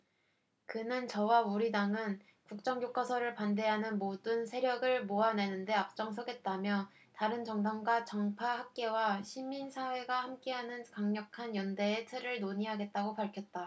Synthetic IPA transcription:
kɯnɯnt͡ɕʌwauɾidaŋɯn | kuk̚t͡ɕ͈ʌŋjok͈ʌsʰʌɾɯɭpande̞ɦanɯnmodɯnsʰe̞ɾjʌɡɯɭmoane̞nɯnde̞ap̚t͡ɕ͈ʌŋs̬ʰʌɡe̞t̚t͈amjʌ | taɾɯnt͡ɕʌŋdaŋɡwat͡ɕʌŋpʰahak̚k͈e̞waɕʰiminsʰawe̞ɡahamk͈e̞ɦanɯnkaŋɲʌkʰanjʌnde̞ːtʰɯɾɯɭnoɲiɦaɡe̞t̚t͈aɡopaɭkʰjʌt̚t͈a

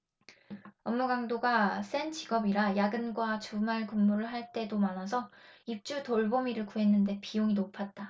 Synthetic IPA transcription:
ʌmːuɡaŋdoɡas͈ent͡ɕiɡʌbiɾajaɡɯnɡwat͡ɕumaɭkumːuɾɯɭɦaɭt͈e̞domanʌsʰʌip̚t͡ɕ͈utoɭbomiɾɯɭkuɦe̞nːɯnde̞pijoŋinopʰat̚t͈a

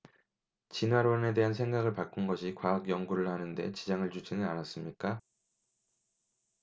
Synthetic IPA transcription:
t͡ɕinwaɾone̞de̞ɦans̬ʰe̞ŋɡaɡɯɭpak͈unɡʌɕʰikwaːkjʌŋɡuɾɯɭhanɯnde̞̰t͡ɕid͡ʑaŋɯɭt͡ɕud͡ʑinɯnanas͈ɯmɲik͈a

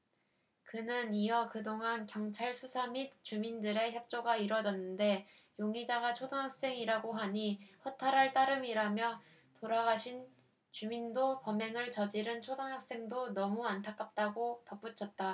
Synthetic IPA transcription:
kɯnɯniʌkɯdoŋankjʌŋt͡ɕʰaɭsʰusʰamit̚t͡ɕumindɯɾe̞çjʌp̚t͡ɕ͈oɡaiɾwʌd͡ʑʌnːɯnde̞ | joŋid͡ʑaɡat͡ɕʰodoŋɦak̚s͈e̞ŋiɾaɡoɦaɲihʌtʰaɾaɭt͈aɾɯmiɾamjʌ | toɾaɡaɕʰin | t͡ɕumindopʌmeŋɯɭt͡ɕʌd͡ʑiɾɯnt͡ɕʰodoŋɦak̚s͈e̞ŋdonʌmuantʰak͈ap̚t͈aɡotʌp͈ut͡ɕʰʌt̚t͈a

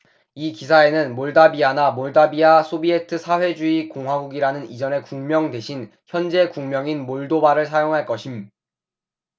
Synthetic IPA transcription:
ikis̬ʰae̞nɯnmoɭdabianamoɭdabiasʰobie̞tʰɯsʰaɸwe̞d͡ʑuikoŋɦwaɡuɡiɾanɯnid͡ʑʌne̞kuŋmjʌŋde̞ɕʰin | çjʌnd͡ʑe̞kuŋmjʌŋinmoɭdobaɾɯɭsʰajoŋɦaɭk͈ʌɕʰim

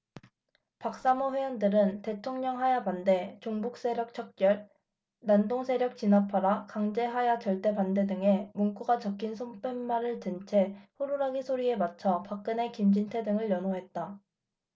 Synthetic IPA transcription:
pak̚s͈amoɸejʌndɯɾɯnte̞tʰoŋɲʌŋɦajapande̞t͡ɕoŋbuk̚s͈e̞ɾjʌk̚t͡ɕʰʌk̚k͈jʌɭ | nandoŋsʰe̞ɾjʌk̚t͡ɕ͈inapʰaɾakaŋd͡ʑe̞ɦajat͡ɕʌɭt͈e̞pande̞dɯŋe̞muŋk͈uɡat͡ɕʌk͈ʰːinsʰomp͈ʰemːaɾɯɭtɯnt͡ɕʰe̞ɸoɾuɾaɡisʰoɾie̞mat͡ɕʰʌpak̚k͈ɯne̞kimd͡ʑintʰe̞dɯŋɯɭjʌnoɦe̞t̚t͈a

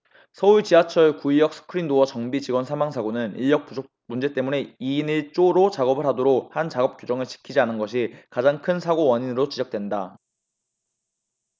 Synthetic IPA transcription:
sʰʌuɭt͡ɕiɦat͡ɕʰʌɭkuijʌk̚s͈ʰɯ̥kʰɯɾindowʌt͡ɕʌŋbid͡ʑiɡwʌnsʰamaŋsʰaɡonɯniʎjʌk̚puo | mund͡ʑe̞t͈e̞mune̞iːniɭt͡ɕ͈oɾot͡ɕaɡʌbɯɭɦadoɾok̚hant͡ɕaɡʌp̚k͈jod͡ʑʌŋɯɭt͡ɕi̥kʰid͡ʑianɯnɡʌɕ̬ʰikad͡ʑaŋkʰɯnsʰaɡowʌɲinɯɾot͡ɕid͡ʑʌk̚t͈wenda

